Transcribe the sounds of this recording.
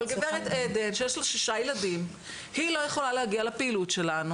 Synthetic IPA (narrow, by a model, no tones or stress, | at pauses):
lɡeveʁet̪ed̪enʃejeʃloʃiʃajelad̪im | hilo̞jeχo̞lalehaɡialapeilutʃe̞lanu